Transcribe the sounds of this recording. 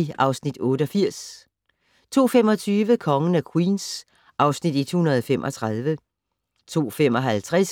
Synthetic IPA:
iʔɑ̈ʊsnid̥ɔ̽ːɾəɒ̽fiɐ̰s | t͡sʰo̝̰ːfem̰ɒ̽t͡sʰyːʋəkʰɒ̽ŋən̩ækʰwiːns | ʔɑ̈ʊsnid̥id̥hunɐð̞ˠɒfem̰ʔɒ̽t͡sʰʁɑ̈ð̞ˠʋə | t͡sʰo̝̰ːfemɒ̽ɦælt͡sʰʁas

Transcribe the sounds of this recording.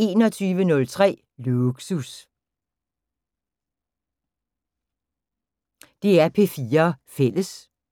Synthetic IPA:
e̝ːnɒ̽t͡sʰyːʋənɔ̽lt͡sʰʁɛ̰ː | luɡ̥sus | d̥e̝æɐpʰe̝fiːɐfel̰əs

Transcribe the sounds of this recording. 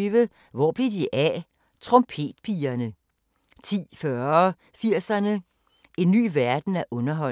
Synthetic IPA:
ʋə | ʋɒ̰ːb̥lidiʔæ | t͡sʰʁɔ̽mpʰe̝̰ːd̥pʰiːɐnə | t͡sʰḭːfɶɐ | fiɐ̰sɐnə | e̝nːy̰ːʋæɐd̥n̩æʔɔ̽nɐɦɒ̽

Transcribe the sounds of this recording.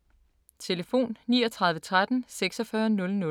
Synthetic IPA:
t͡sʰe̝ləfo̝̰ːnːiːɒt͡sʰʁɑ̈ðˠʋət͡sʰʁad̥n̩seɡ̥sɒ̽fɶːɐnɔ̽lnɔ̽

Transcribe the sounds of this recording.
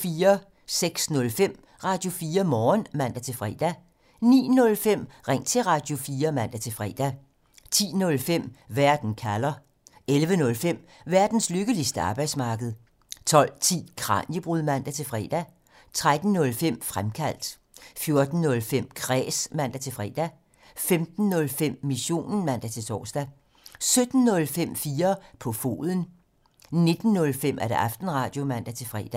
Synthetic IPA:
fiːɐ | seɡ̥snɔ̽lfem̰ | ʁɑ̈ːd̥jo̝fiːɐmɒːnmæn̰d̥æt͡sʰe̝fʁɛ̰ːd̥æ | nḭːnɔ̽lfem̰ʁeŋ̰t͡sʰe̝ʁɑ̈d̥jo̝fiːɐmæn̰d̥æt͡sʰe̝fʁɛ̰ːd̥æ | t͡sʰḭːnɔ̽lfem̰ʋæɐ̰d̥n̩kʰælɐ | elʋənɔ̽lfem̰ʋæɐd̥n̩sløɡ̥əlisd̥əɑ̈ːb̥ɑ̈ɪ̰d̥smɑ̈ːɡ̥əð̞̩ˠ | t͡sʰɒ̽l̰t͡sʰḭːkʰʁɑ̰̈ːnjəb̥ʁuðˠmæn̰d̥æt͡sʰe̝lfʁɛ̰ːd̥æ | t͡sʰʁad̥n̩ːɔ̽lfem̰fʁamkʰæl̰d̥ | fjo̝ɐd̥n̩ːɔ̽lfem̰kʰʁɛ̰ːsmæn̰d̥æt͡sʰe̝lfʁɛ̰ːd̥æ | femd̥n̩ːɔ̽lfem̰ːiɕo̝̰ːnn̩mæn̰d̥æt͡sʰe̝sʰɒ̰ːsd̥æ | sød̥n̩ːɔ̽lfem̰fiːɐpʰɒ̽fo̝̰ːðˠən̩ | ne̝d̥n̩ːɔ̽lfem̰ʔæɐd̥eʔɑ̈fd̥n̩ʁɑ̈d̥jo̝mæn̰d̥æt͡sʰe̝fʁɛ̰ːd̥æ

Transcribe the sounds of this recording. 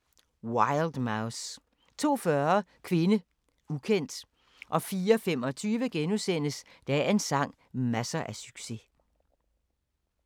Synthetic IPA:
wɑɪld̥mɑʊs | t͡sʰo̝̰ːfɶɐkʰʋe̝nə | ukʰen̰d̥ | ʔɒ̽fiːɐɒfemɒ̽t͡sʰyːʋəɡ̥enusen̰əsd̥ææɐe̝nsɑ̈ŋ̰ | mæsɐʔæsyɡ̥se̝

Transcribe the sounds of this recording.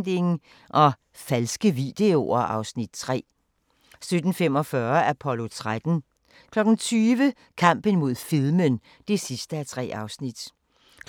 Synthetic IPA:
d̥e̝ŋ | ʔɒ̽ | fælsɡ̥əʋid̥e̝o̝ɐʔɑ̈ʊsnid̥̚t͡sʰʁɛ̰ː | sød̥n̩fem̰ɒ̽fɶɐæɐpʰɒ̽lo̝t͡sʰʁad̥n̩ | kʰlɒ̽ɡ̥n̩t͡sʰyːʋə | kʰɑ̈m̰b̥ən̩mo̝ð̞̰ˠfiðˠmən | d̥e̝sisd̥əæt͡sʰʁɛ̰ːɑ̈ʊsnid̥

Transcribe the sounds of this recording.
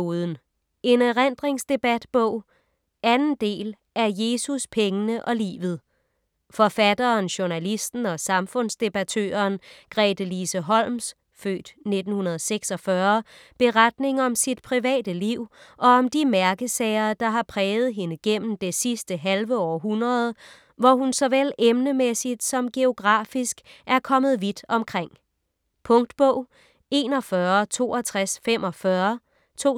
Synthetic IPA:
oðˠn̩ | e̝nʁen̰d̥ʁeŋsd̥e̝b̥æd̥b̥ɔ̽ʊ̰ | ʔænn̩d̥e̝̰ːl | ʔæɐje̝ːsuspʰeŋənəʔɒ̽lḭːʋð̞̩ˠ | fɒ̽fæd̥ɐːnɕo̝nælisd̥n̩ɒ̽sɑ̈mfɔ̽n̰sd̥e̝b̥ɑt͡sʰø̰ːɐːnɡ̥ʁɛd̥əlisəɦɒ̽l̰ms | fø̰ːd̥ne̝d̥n̩hunɐð̞ˠseɡ̥sɒ̽fɶɐb̥e̝ʁad̥̚ne̝ŋɒ̽msid̥pʰʁiʋɛ̰ːd̥əliʊ̰ʔɒ̽ɒ̽md̥imæɐɡ̥əsɛːɪɐːd̥ɑ̈ɦɑ̈pʰʁɛːð̩ˠɦe̝nəɡ̥en̰m̩d̥e̝sisd̥əɦælʋəɒːɦunʁɐð̞ˠ | ʋɒɦunsɒ̽ʋel̰emnəmesid̥sɒ̽mɡ̥e̝o̝ɡ̥ʁɑ̈ːfisɡ̥æɐkʰɒ̽mð̞̩ˠʋid̥ɒ̽mkʰʁeŋ̰ | pʰɔ̽ŋ̰d̥b̥ɔʊ̰ | e̝ːnɒ̽fɶɐt͡sʰo̝̰ːɒt͡sʰʁasfem̰ʔɒ̽fɶɐ | t͡sʰo̝̰

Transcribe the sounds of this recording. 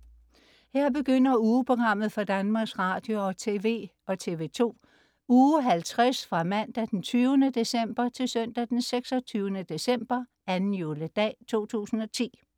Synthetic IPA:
heɐ̰b̥e̝ɡ̥øn̰ɐuːpʰʁo̝ɡ̥ʁɑ̈m̰ð̩ˠfɑd̥ænmɑ̈ːɡ̥sʁɑ̈d̥jo̝ɒ̽t͡sʰe̝ːʋe̝̰ː | ɒ̽t͡sʰe̝ːʋe̝ːt͡sʰo̝̰ː | uːɦælt͡sʰʁasfʁɑ̈mæn̰d̥æd̥ent͡sʰyːʊənəd̥e̝sem̰b̥ɐt͡sʰe̝lsœn̰d̥æd̥enseɡ̥sɒ̽t͡sʰyːʊənəd̥e̝sem̰b̥ɐ | ænn̩joləd̥ɛ̰ːt͡sʰo̝̰ːt͡sʰṵːsn̩ɒ̽t͡sʰḭː

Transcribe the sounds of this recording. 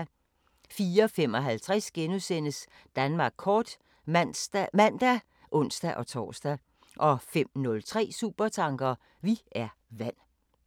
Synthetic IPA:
fiːɐɒfem̰ɒ̽ɦælt͡sʰʁasɡ̥enusen̰əs | d̥ænmɑ̈ːɡ̥̚kʰɒːd̥ | mæn̰d̥æ | ʔɔ̽n̰sd̥æʔɒ̽t͡sʰɒ̰ːsd̥æ | ʔɒ̽fem̰nɔ̽lt͡sʰʁɛ̰ːsṵːb̥ɐt͡sʰɑ̈ŋɡ̥ɐː | ʋiæɐʋæn̰

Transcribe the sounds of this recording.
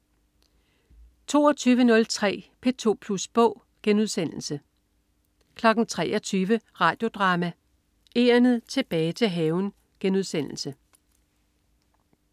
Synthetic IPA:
t͡sʰo̝̰ːɒt͡sʰyːʋənɔ̽lt͡sʰʁɛ̰ːpʰe̝t͡sʰo̝̰ːpʰlusb̥ɔ̰̽ʊ̰ | ɡ̥enuð̞ˠsen̰l̩sə | kʰlɒ̽ɡ̥n̩t͡sʰʁɛ̰ːʔɒt͡sʰyːʋəʁɑ̈ːd̥jo̝d̥ʁɑ̈ːmæ | ʔe̝ɐnð̩ˠt͡sʰe̝b̥ɛːɪt͡sʰe̝ɦɛːʊn | ɡ̥enuðˠsen̰l̩sə

